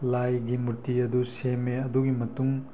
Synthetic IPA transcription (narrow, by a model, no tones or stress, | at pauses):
lajɡimuɾtiɐdusemeɐduɡimɐtuŋ